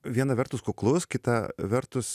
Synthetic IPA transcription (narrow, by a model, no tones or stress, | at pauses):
ʋʲiɛnɐʋʲɛɾt̪ʊskʊklˠʊskʲɪt̪ɐʋʲɛɾt̪ʊs